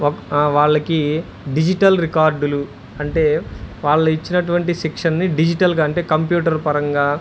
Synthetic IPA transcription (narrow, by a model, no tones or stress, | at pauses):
ɔkʋaːɭːɐki | ɖid͡ʒiʈɐlɾikaːɾɖulu | ɐɳʈe̞ːʋaːɭːɐit͡ʃːinɐʈuʋɐɳʈisikʂɐnːiɖid͡ʒiʈɐlɡaːɐɳʈe̞ːkɐmpjuːʈɐɾpɐɾɐŋɡaː